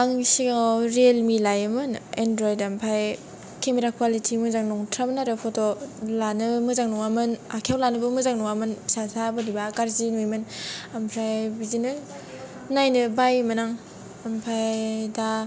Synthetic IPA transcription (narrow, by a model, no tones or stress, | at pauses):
aŋsiɡawɾelmilajamɯnendɾɔjdampʰaj | kʰemiɾakʰwalitʰimɯzaŋnɔŋtʰɾamnaɾepʰɔtɔlanɯmɯzaŋnɔŋamɯnakʰjawlanɯbɯmɯzaŋnɔŋamɯnsazabɯdibakaɾzinujmɯnampʰɾajbizinɯ | najnɯbajmanaŋ | ampʰajda